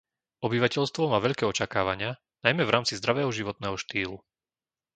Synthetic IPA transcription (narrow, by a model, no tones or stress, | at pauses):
ɔbiʋacɛʎst̪ʋɔmaːʋɛʎkɛːɔt͡ʃakaːʋaɲɪa | najmɛvɾaːmt͡sizd̪ɾaʋɛːɦɔʒiʋɔt̪nɛːɦɔʃt̪iːlu